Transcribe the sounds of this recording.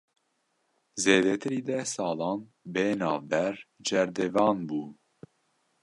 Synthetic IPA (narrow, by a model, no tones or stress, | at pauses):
zeːd̪ɛt̪ʰɨɾiːd̪ɛsɑːlɑːn | beːnɑːvbɛɾd͡ʒɛɾd̪ɛvɑːnbuː